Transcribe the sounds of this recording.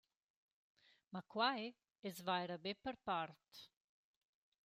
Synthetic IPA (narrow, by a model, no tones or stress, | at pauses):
makwae | ɛzvajɾabepəɾpaɾt̪